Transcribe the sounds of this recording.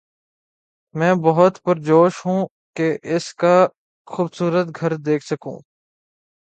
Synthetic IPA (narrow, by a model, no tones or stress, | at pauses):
mɛ̃ːbɐɦʊt̪pɐɾd͡ʒoːʃɦũː | keʔɪska | xuːbsuːɾət̪ɡʱɐɾd̪eːkʰsɐkṵ̃ː